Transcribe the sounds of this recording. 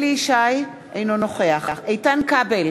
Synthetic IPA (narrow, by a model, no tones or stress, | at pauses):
liiʃaj | ʔejnonoχeaχχejtankabel